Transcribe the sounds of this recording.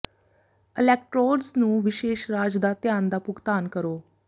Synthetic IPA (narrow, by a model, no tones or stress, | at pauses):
ɪlɛːk̚ʈɾoːɖznũːʋɪʃeːʃɾaːd͡ʒd̪aːt̪ɪjaːnd̪aːpʊɡt̪aːnkəɾoː